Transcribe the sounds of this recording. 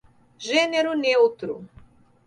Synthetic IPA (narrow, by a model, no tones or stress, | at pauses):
ʒɛnɛɾunɛut̪ɾṵ